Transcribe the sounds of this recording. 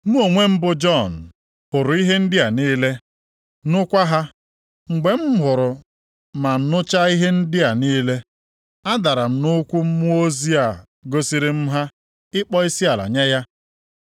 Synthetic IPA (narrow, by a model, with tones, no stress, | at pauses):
mu˦o˨ŋʷe˦m̩˦bʊ˦d͡ʒɔ˦˨n̩˨ | hʊ˨ɾʊ˨i˦ɦe˦n̩˦dɪ˦a˨niː˦le˦ | nʊ˦kʷa˦ɦa˦ | ŋ͡m̩˨ɡ͡be˨m̩˦ɦʊ˨ɾʊ˨ | ma˨n̩˨nʊ˦t͡ʃa˦i˦ɦe˦n̩˦dɪ˦a˨niː˦le˦ | a˦da˨ɾa˨m̩˨nʊ˦kʷu˦m̩˦mu˦o˦zi˦a˨ | ɡo˦si˦ɾɪ˦m̩˦ɦa˦ | ɪ˦k͡pɔ˦i˦si˦a˨la̰˨ɲa˦ja˦